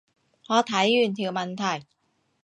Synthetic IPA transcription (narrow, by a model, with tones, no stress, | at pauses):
pʰɔː˧˥t̪ʰa˨˦jːɯː˧˩nt̪ʰi˧˩ma˧nt̪ʰa˧˩j